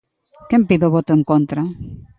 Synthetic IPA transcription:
kempiðoβot̪ʊeŋkont̪ɾa

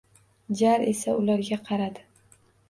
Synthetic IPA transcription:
d͡ʒaɾe̞saʊlaɾɡʲaqʰɑɾad̪ɪ

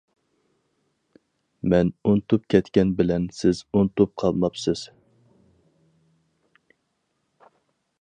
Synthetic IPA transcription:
mɛnunt̪ʰup̚kʲʰɛt̪kʲɛnbɪlɛnsɪzunt̪ʊp̚qʰɑlˠmɑpsɪz̥

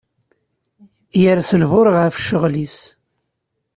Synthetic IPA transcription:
jəɾsəlvʊɾəʁafʃəʁlis

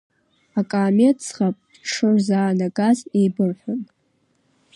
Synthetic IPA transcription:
akʼaːmet͡sʰχapʼ | ʂʰɨrzaːnaɡazejbɨrħʷʊn

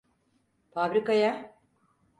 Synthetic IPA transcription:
fabɾikaja

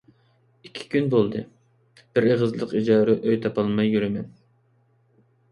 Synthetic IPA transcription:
ikʲʰi̥kʲʰynbolˠd̪ɨ | b̥ɪɾeʁəzlˠəqid͡ʒɑːɾɛʔøjt̪ʰɑpɑlˠmɑjːyɾɪmɛn

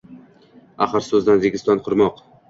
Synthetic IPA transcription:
aχɨɾsɵzd̪anzeɡʲɪst̪ɒnqʰʊɾmɒq

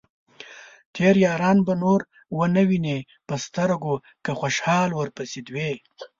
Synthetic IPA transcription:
t̪ʰeɾjɑːɾɑːnbanoɾ | wənawine | pəst̪aɾɡo | kaxʷoʃhɑːlwəɾpəsid̪we

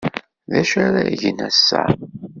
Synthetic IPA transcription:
ðæʃaɾaʝənæsːæ̰

